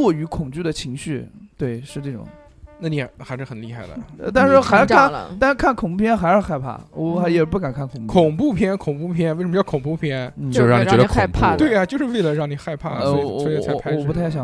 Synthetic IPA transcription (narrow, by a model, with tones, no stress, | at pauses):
wɔ˥˩y˧˥kʰʊ˨˩ŋt͡ɕy˥˩d̪ə˩t͡ɕʰi˧˥ŋɕy˥˩t̪we˥˩ɪʂɻ̩˥˧ʈ͡ʂe˥˩ʈ͡ʂʊ̰˨˩ŋ | na˥˩ni˨˩˧xa˧˥ɪʂɻ̩˥˩xə˨˩nli˥˧xa˥˩ɪd̪ə̰˩˧t̪a˥˧nʂɻ̩˥˧xa˧˥ɪ˥a˥˩t̪a˥˧nʂ̩˥kʰa˥˩nkʰʊ˨˩ŋpu˥˩pʰjɛ˥nxa˧˥ʂ̩˧˥xa˥˧ɪpʰa̰˥˩wɔ˧˩xa˧˥jɛ˨˩p̬u˥˩ka˨˩nkʰa˥˩nkʰʊ˨˧˩ŋpu˧kʰʊ˨˩ŋpu˥˧pʰjɛ˥nkʰʊ˨˩ŋpu˥˩pʰjɛ˥nwe˥˩ʂə˧m˧˥t͡ɕkʰʊ˨˩ŋpu˥˩pʰjɛ˥nn̩t͡ɕo˥˧˥ŋ˨˧˨ɛ˧˥ə˩˧kʰpʰa˥t̪we˥˩ɪɐ˩t͡ɕjo˥˧ʊʂɻ̩˥˧we˥˩ɪlə˧ɻɑ˥˩ŋni˨˩xa˥˧ɪpʰa̰˥˩ɔ˥sɔ˧˥˨t͡sʰɔ˨˩p̬u˧˥t̪ʰa˥˩ɪɕjɑ˨˩